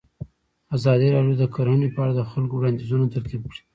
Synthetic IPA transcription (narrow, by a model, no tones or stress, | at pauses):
azɑd̪iɾɑɖjod̪əkaɾonipəaɽad̪əxalkowɽɑnd̪izunot̪aɾk̪ib̚kɽi̥